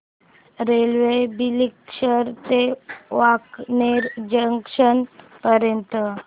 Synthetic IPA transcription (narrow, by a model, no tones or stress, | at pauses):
ɾelʋebilikɕəɾt̪eʋakneɾd͡ʑəŋkʂənpəɾjənt̪ə